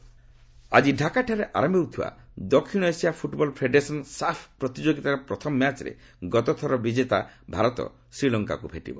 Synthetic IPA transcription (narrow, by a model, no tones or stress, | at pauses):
a̰d͡ʒiɖʱakaʈʰaɾeʔa̰ɾɔmewt̪ʰiwa̰d̪ɔkʰːiɽ̃ɔesiapʰuʈbɔlpʰɾeɖesɔnsapʰpɾɔt̪id͡ʒoɡit̪aɾepɾɔt̪ʰɔmɔmjat͡ʃɾḛ | ɡɔt̪ɔt̪ʰɔɾɔbid͡ʒet̪a̰bʱaɾɔt̪ɔ̰ | sɾilɔŋka̰kubʱeʈḭbɔ